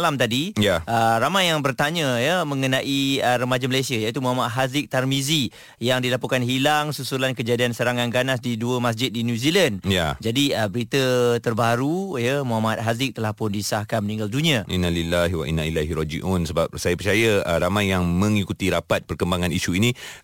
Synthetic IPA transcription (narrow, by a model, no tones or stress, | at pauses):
lamt̪adijaʔəramajːaŋbərt̪aɲəjəmə̃ŋənãʔiəɾəmad͡ʒaməlajsiajait̪umuɦamat̪̚ɦazɪk̚t̪armizi | jaŋdilapukanhilaŋsusulankəd͡ʒadiansəɾaŋanɡanasdiduəmas̬d͡ʒɪt̪̚dinjuzilanjad͡ʒadiəbəɾit̪ət̪ərbaɾujəmuɦamat̪̚ɦazɪk̚t̪əlahpʊndisahkanmənĩŋɡaldunĩaʔinːalilaɦwa̰ʔḭnːailaɦiɾɔd͡ʒḭʔunsəbap̚sajapərt͡ʃajaəɾamajːaŋmə̃ŋikut̪iɾapat̪̚pərkəmbaŋãniʃuini